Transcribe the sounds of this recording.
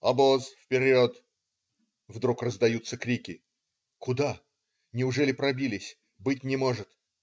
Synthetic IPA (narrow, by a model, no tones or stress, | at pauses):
ɐbozfpʲɪɾʲot̪ | vd̪ɾukrəzd̪ɐjut̪səkɾʲikʲɪ | kʊd̪a | nʲɪʊʐɛlʲɪpɾɐbʲilʲɪsʲ | bɨtʲnʲɪmo̞ʐɨt̪